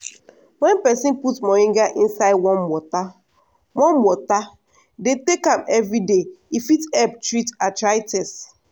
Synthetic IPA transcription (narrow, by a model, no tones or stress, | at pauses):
wɛ̃npɛsĩnputmɔĩŋɡaʔĩn̩saɪd̚wɔ̃nwɔta | wɔ̃nwɔta | detekãmɛvɹideifitɛptɹitatɹaɪtɛs